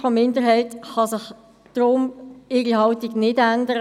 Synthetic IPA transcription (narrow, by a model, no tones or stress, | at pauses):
ɔmɪndəɾɦɛɪtχɑsɪχ | d̥ɾʊmɪɾiɦɑʊtiɡnɪdændəɾə